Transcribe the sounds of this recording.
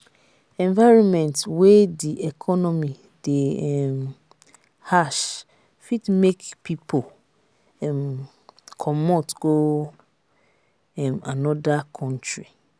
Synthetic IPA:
ɛ̃ɱvaɪɹɔ̃nmɛ̃ntwediʔɛkʰɔnɔmi | dem | haʃ | fitmekpipʰo | m | kʰɔmotɡ̥o | ɛmanɔdakʰɔ̃ntʰɹi

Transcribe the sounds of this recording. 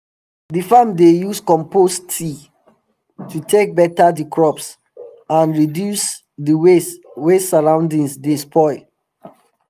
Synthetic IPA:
difãmdejuskɔ̃mpostʰi | tʰutʰek̚bɛtadikʰɹɔps | ãnɹidjus | diweswesaɹãʊ̃ndĩnsdespʰɔɪ

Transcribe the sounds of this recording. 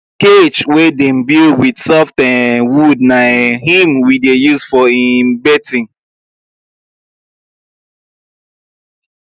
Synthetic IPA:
ket͡ʃwedem̩bidwidsɔftɛ̃nwudnaɦĩmwidejuzfɔimbɛtĩn

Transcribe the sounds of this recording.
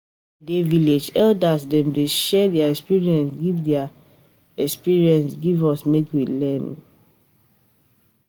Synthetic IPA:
deviled͡ʒɛldasdɛ̃mdeʃɛdɛaɛkspiɹiɛ̃nsɡivdɛa | ɛkspiɹiɛ̃nsɡivɔsmekwilɛ̃n

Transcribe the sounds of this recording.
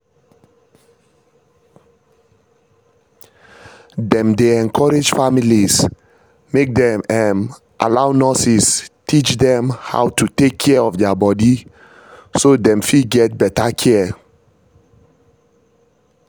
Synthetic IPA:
dɛ̃mdeɛ̃nkʰɔɹed͡ʒfamilis | mek̚dɛ̃mɛn | ʔa̰laʊnɔsistit͡ʃdɛ̃mha̰ʊtʰutekʰːɛɔfdɛabɔdi | sodɛ̃mfiɡɛt̚bɛtakʰɛ

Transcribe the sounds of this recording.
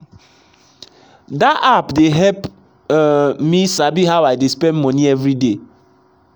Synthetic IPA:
daʔapdeɦɛp | misabiɦawajdespɛ̃nmɔniɛvɾide

